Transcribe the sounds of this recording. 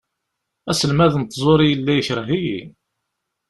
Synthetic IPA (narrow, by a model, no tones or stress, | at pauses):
æsəlmæðənt̪ːzˤoɾˤijəlːæjəçɾəɦijḭ